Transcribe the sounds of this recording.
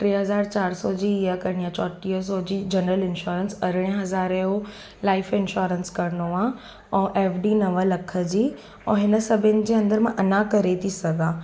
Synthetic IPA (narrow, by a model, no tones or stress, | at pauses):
ʈɾiːɦɐzaːɾt͡ɕaːɾsɔd͡ʑiːijakɐɾɽ̃ijãt͡ɕɔːʈiəs̬ɔd͡ʑiːd͡ʑɐnɾəlɪnʃuːɾənsɐɾɪɽ̃ijə̃ɦɐzaːɾeo | laːɪfɪnʃoːɾənskɐɾənoã | ɛ̃ːʔɛːfɖiːnɐʋəlɐkʰə̆d͡ʑiː | ɛ̃ːɦɪnə̆sɐbʱɪnɪ̆d͡ʑeːɐ̃nd̪əɾmãʔɐnakɐɾet̪ʰisɐɡʱãː